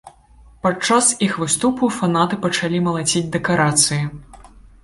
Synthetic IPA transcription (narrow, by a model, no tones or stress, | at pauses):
pat͡ʂasixvɨst̪upufanat̪ɨpɐt͡ʂalʲimɐlˠat͡sʲid͡zʲd̪ɛkaɾat̪sɨji